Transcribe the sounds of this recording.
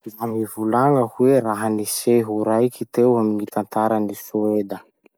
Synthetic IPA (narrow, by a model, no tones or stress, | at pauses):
izamivulaŋəhuweɾaɦəniseɦuɾajkit̪ewaminit̪ant̪aɾənisued̪ə